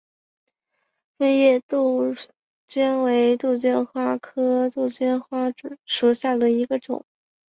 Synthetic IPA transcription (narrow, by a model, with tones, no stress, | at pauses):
fə˥˧njɛ˥˧t̪u˥˩ | t͡ɕɥɛ˥nwe˧˥ɪt̪u˥˩t͡ɕɥɛ˥nxwa˥kʰɤ˥t̪u˥˩t͡ɕɥɛ˥nxwa˥˨˥ʂu˨˩ɕja˥˩d̪ə˩i˧˥ɡə˧ʈ͡ʂʊ̰˨˩˦ŋ